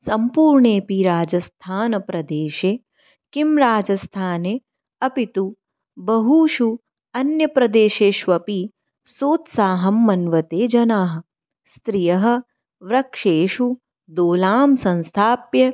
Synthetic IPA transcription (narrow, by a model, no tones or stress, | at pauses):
sɐmpuːɾɳeːpiɾaːd͡ʒɐst̪ʰaːnɐpɾɐd̪eːʃeː | kimɾaːd͡ʒɐst̪ʰaːneː | ɐpit̪u | bɐɦuːʃu | ɐnjɐpɾɐd̪eːʃeːʃʋɐpi | soːt̪saːɦɐmːɐnʋɐt̪eːd͡ʒɐnaːɦɐ̆ | st̪ɾijɐɦɐ̆ | ʋɾɐkʂeːʃu | d̪oːlaːmsɐ̃nst̪ʰaːpjɐ